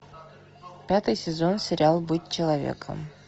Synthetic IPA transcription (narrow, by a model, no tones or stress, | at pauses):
pʲat̪ɨjsʲɪzonsʲɪɾʲɪalˠbɨt̪̚ʲt͡ɕɪlˠɐvʲḛkʰə̰m